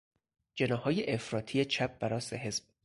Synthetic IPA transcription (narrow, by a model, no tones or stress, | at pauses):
d͡ʒe̞nɒːhɒːjeʔefɾɒːt̪ʰijet͡ʃʰæp̚ʰbæɾɒːseɦe̞zb̥̚